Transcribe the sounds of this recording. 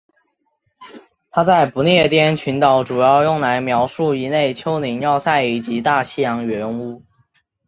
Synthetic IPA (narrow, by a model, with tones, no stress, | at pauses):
t̪ʰa˥t͡sa˥˩ɪpu˧˥njɛ˥˩t̪jɛ˥nt͡ɕʰy˧˥nt̪ɑ˨˩˥ʊʈ͡ʂu˨˩jɑ˥˧ʊjʊ˥˩ŋla˧˥ɪmjɑ˧˥ʊʂu˥˩i˧˥ne˥˩ɪt͡ɕʰjo˥ʊni˧˥ŋjɑ˥˧ʊsa˥˩ɪi˨˩t͡ɕi˧˥t̪a˥˧ɕi˥˩jɑ˧˥ŋɥɛ˧˥nu˥